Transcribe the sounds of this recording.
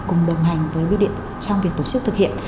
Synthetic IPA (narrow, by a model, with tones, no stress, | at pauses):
kʊ˨˩ŋ͡mɗə˨˩wŋ͡mɦa˨˩jŋ̟vəː˨˦jwi˧ɗḭ˧˨ən | t͡ɕa˧ŋ͡mvi˨˩ət̚t̪o˧˩t͡ɕɨ˦˥k̚t̪ɨ˨˩k̚hḭ˧˨ən